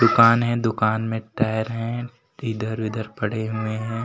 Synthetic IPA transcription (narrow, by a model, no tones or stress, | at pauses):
d̪ʊkaːnɦɛ̃d̪ʊkaːnmẽʈaːəɾɦɛ̃ | ɪd̪əɾʋɪd̪əɾpɐɽ̤eɦʊeɦɛ̃ː